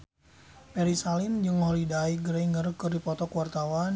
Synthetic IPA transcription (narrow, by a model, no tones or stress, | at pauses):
pɛɾisalɪnd͡ʒɨŋholidajɡəɾeiŋərkɨrdipɔt̪ɔkuwart̪awan